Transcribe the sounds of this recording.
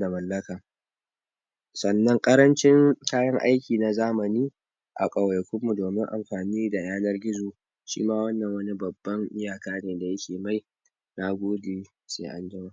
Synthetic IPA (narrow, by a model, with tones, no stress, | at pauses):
na˨mɐ˨lːɐ˦kaː˨ | sɐ˨nːɐ˦ŋkʼɐ˦ɾɐ˦nt͡ʃɪ˦ŋkaː˦jɐ˦ŋʔa̰˦jkʲiː˨na˨zaː˦mɐ˨niː˦ | ʔa̰˨kʼɐ˨wjkʷʊ˦mːu˨doː˨mɪ˦ŋʔa̰˨mɸaː˨niː˦da˨jaː˦nɐ˦rɡʲɪ˦zoː˨ | ʃḭː˦maː˦wɐ˦nːɐ˨ŋwɐ˦ni˦bɐ˨bːɐ˦ŋʔɪ˦jaː˨kaː˦neː˨da˨jɐ˦kʲeː˨ma˦˨j | na˦ɡʷoː˦deː˨ | sḛː˦ʔa˦nd͡ʒɪ˦maː˦